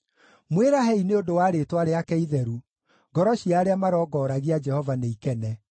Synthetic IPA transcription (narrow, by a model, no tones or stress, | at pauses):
mweɾahɛineodowaːɾetwaɾeakɛiðɛɾu | ɡɔɾɔɕiaɾeamaɾɔːɡɔɾaɣiad͡ʒɛhɔvaneikɛnɛ